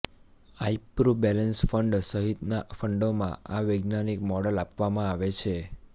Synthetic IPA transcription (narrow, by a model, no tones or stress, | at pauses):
aipɾobɛlənsfəɳɖsəɦit̪nafəɳɖomã̰aʋeɡnanikmɔɽəlapʋamãaʋet͡ʃʰe